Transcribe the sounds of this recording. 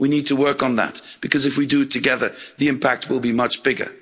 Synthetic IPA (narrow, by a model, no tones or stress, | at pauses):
winid̚tʰəwɜ˞kn̩ðæ̰t̚b̥ɨkʰʌzɨfwidɨɨtʰɨɡɛðə˞ðiɨ̃mpʰæk̚t̚wɪlˠbimʌt͡ʃb̥ɪɡə̰˞